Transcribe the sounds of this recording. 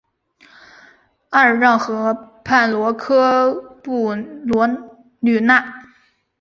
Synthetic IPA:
a˥˧ɻɻɑ˥˩ŋxɤ˧˥pʰa˥˩nlwɔ˧˥kʰɤ˥pu˥˩lwɔ˧˥ | ly˥˩na˥˩

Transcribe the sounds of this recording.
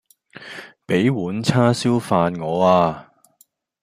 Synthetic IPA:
pe˨˥jwuː˨˥nt͡sʰaː˥si˥wfaː˧nŋɔː˨˧aː˧

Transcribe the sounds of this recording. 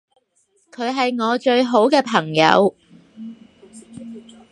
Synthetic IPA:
kʰɵ˨˧ɥɦɐ˨jŋɔː˨˧t͡ʃɵ˧ɥɦo˨˥wkɛː˧pʰɐ˨˩ŋjɐ̰˨˧w

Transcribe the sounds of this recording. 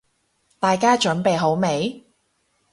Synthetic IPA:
t̪aː˨jkaː˥t͡ʃɵ˨˥npe˨jɦo˨˥wme˨˧˥j

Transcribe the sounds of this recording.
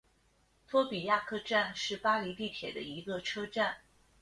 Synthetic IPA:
t̪ʰwɔ˥pi˨˩ja˥˩kʰɤ˥˧ʈ͡ʂa˥˧nʂɻ̩˥˩pa˥li˧˥t̪i˥˩t̪ʰjɛ˨˩d̪ə˦i˧˥ɡə˧ʈ͡ʂʰɤ˥ʈ͡ʂa˥˩n

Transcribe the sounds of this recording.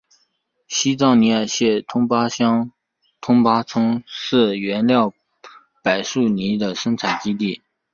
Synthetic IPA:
ɕi˥t͡sɑ˥˩ʊni˧˥ə˞˨˩ɕjɛ˥˩t̪ʰʊ˥ŋpa˥ɕɑ˥ŋ | t̪ʰʊ˥ŋpa˥t͡sʰʊ˥ŋʂɻ̩˥˩ɥɛ˧˥nljɑ˥˩ʊ | pa˨˩ɪʂu˥˩ni˧˥d̪ə˨ʂɤ˥ŋt͡sʰa˨˩ɪt͡ɕi˥t̪̬i˥˩

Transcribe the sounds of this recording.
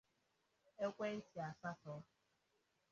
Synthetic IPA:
e˦kʷe˦n̩˦ti˨a˨sa˦tɔ˨˦

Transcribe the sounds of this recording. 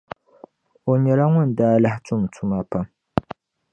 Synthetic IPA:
o˨ɲɛ˨ɾa˦ŋʷʊ˦˨n˨daː˦la˦htʊ˦m˨tʰʊ˦ma˦pa˦m

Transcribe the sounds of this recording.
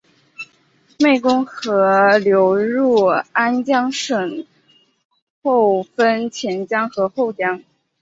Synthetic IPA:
me˥˩ɪkʊ˥ŋxɤ˧˥ljo˧˥ʊɻu˥˩a˥nt͡ɕjɑ˥ŋʂə˨˩ŋ | xo˥˩ʊfə˥nt͡ɕʰjɛ˧˥nt͡ɕjɑ˥ŋxɤ˧˥xo˥˩ʊt͡ɕjɑ˥ŋ

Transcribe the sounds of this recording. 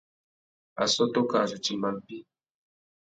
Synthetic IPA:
a̰˨sɔ˦to˦ka˨d͡ʒi˨t͡ʃi˨ma˨m˨pi˦

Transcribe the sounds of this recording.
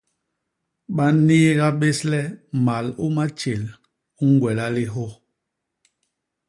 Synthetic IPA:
ɓa˦niː˦ɣa˦ɓe˦slɛ˦ma˨lu˦ma˦t͡ʃe˨l | u˦ŋ˦ɡwɛ˨la˦li˦ɦɔ˦

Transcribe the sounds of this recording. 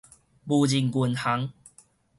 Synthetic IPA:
bu˨˧˩d͡ʑi˨ŋku˨˩nha˨˦ŋ

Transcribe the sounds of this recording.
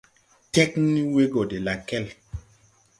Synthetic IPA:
tɛ˦kni˦we˦ɡɔ˨de˨la˨kɛ˦˨l

